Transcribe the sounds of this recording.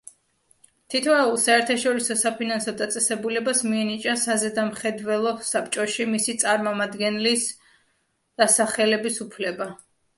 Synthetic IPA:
t̪ʰit̪ʰvaulˠsaɛɾt̪ʰaʃɔɾisɔsapʰinansɔd̪at̪sʼɛsɛbulɛbasmiɛnit͡ʃʼasazɛd̪amχɛd̪vɛlˠɔsapt͡ʃʼɔʃimisit̪sʼaɾmɔmad̪ɡɛnlis | d̪̥asaχɛlɛbisupʰlɛba

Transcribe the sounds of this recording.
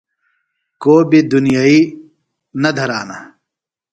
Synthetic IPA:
koːbid̪unijaːiː | nɐd̪ʱɐɾaːna̰ː

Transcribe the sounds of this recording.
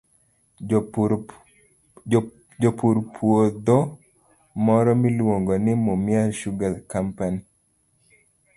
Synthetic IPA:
d͡ʒɔpuɾpʰwod̪ɔ | mɔɾɔmilwoŋɡonɪmʊmɪaʃuɡalkampani

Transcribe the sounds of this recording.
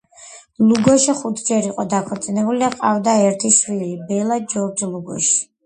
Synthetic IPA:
luɡɔʃiχut̪ʰd͡ʒɛɾiqʼɔd̪akʰɔɾt̪sʼinɛbuliaqʼavd̪aɛɾt̪ʰiʃwilibɛlˠad͡ʒɔɾd͡ʒlˠuɡɔ̰ʃi̥

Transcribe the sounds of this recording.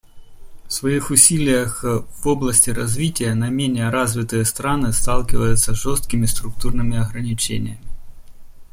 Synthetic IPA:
fsvɐixʊsʲilʲɪjəxvo̞blˠəsʲtʲɪɾɐzvʲitʲɪjənɐmʲenʲɪjəɾazvʲɪt̪ɨjəst̪ɾanɨst̪alˠkʲɪvəjʊt̪səʐo̞st̪̚kʲɪmʲɪst̪ɾʊkt̪urnɨmʲɪɐɣɾənʲɪt͡ɕḛnʲɪ̰jəmʲɪ

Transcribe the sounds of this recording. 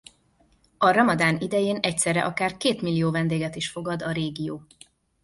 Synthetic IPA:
ɒɾɒmɒd̪aːnid̪ɛjeːnɛc̚t̪sɛrɛ̰ʔɒkaːrkeːt̪milːijoːvɛnd̪eːɡɛt̪iʃfo̞ɡɒd̪ɒɾeːɡijoː

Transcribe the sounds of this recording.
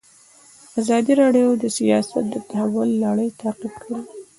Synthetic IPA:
azɑd̪iɾɑɖjod̪əsijɑsa̰t̪̚d̪ət̪ahawʊlːaɽəjt̪ʰaqibkʰaɽi

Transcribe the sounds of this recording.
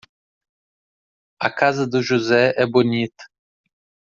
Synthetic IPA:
akazd̪uʒuzɛʔɛbonit̪

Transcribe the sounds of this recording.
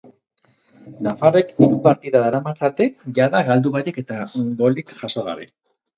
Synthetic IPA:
nafaɾe̞kiɾupaɾt̪iðaðaɾamat͡sat̪ekʝaðaɣald̪uβaɾike̞t̪aɡo̞likʝaso̞ɣa̰βḛ

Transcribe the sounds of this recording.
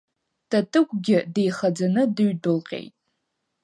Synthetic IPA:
tʰatʰʼɨkʷʼɡʲɪde̞jχad͡zanɨdɨɥdɨlqʲʼḛjtʼ

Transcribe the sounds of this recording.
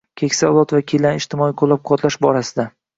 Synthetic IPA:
kʲʰe̞kʲsalˠɒt̪vakʲʰelanɪʃt̪ʰɪmɒiqʰolˠap̚qʰɒt̪laʃbɒɾasɪd̪a

